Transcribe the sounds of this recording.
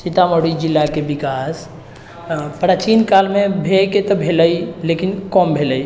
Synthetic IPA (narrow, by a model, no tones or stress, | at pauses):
sit̪amoɽid͡ʒilːakebikas | pɾat͡ʃinkalmebʱeket̪ɔbʱeləjlekinkɔmbʱeləj